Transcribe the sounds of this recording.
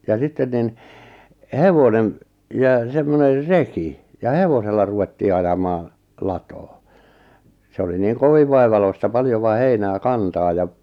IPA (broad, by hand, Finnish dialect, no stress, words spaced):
jɑ sitːen nin heʋonem jɑ semːoner reki jɑ heʋoselːɑ ruʋetːiː ɑjɑmɑː lɑtoː se oli niːŋ koʋiʋ ʋɑiʋɑloistɑ pɑljoʋɑ heinæː kɑntɑː jɑ